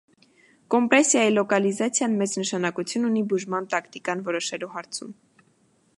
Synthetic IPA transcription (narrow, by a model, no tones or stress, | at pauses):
kɔmpɾɛsjɑjilɔkɑlizɑt͡sʰjɑnmɛt͡snəʃɑnɑkut͡sʰjununibuʒmɑnt̪ɑkt̪ikɑnvɔɾɔʃɛluɦɑɾt͡sʰṵm